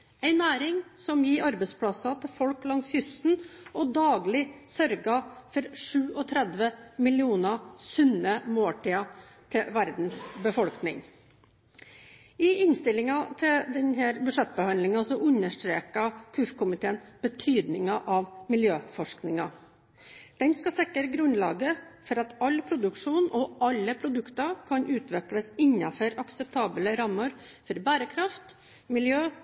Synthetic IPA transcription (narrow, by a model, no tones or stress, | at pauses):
æɪnæːɾɪŋsɔmjiːʔɑɾbɛspʰlɑsɑt̪ʰɪlfɔlklɑŋsjʏst̪n̩ʔɔd̪ɑːɡlɪsœɾɡɑfɔɾʂʉːʔɔt̪ʰɾɛd̪ʋəmɪlɪuːnɑsʉnəmoːʈʰiːɑ | t̪ʰɪʋæɾd̪n̩sbəfɔlknɪ̰ŋ | ɪɪnst̪ɪlɪŋɑt̪ʰɪld̪ɛnhæːɾbʉʂɛt̪̚ːbəhɑnd̪lɪŋɑsɔʔʉnːəʂʈ̪ɾeːkɑkʰʉfkʰʊmɪt̪ʰeːənb̥ət̪ʰyːd̪nɪŋɑʔɑʋmɪljøːfɔʂknɪŋɑ | d̪̥ɛnskɑsɪkːəɾɡɾʉnlɑ̰ːɡəfɔɾɑt̪ɑlpʰɾʊd̪ʉkʂuːnɔʔɑlːəpʰɾʊd̪ʉkt̪ɑkʰɑnʉːt̪ʰʋɛkləsɪnːɑfɔɾɑksəp̚t̪ʰɑːbələɾɑmːəɾ | fɔɾbæːɾəkʰɾɑft̪ | mɪljøː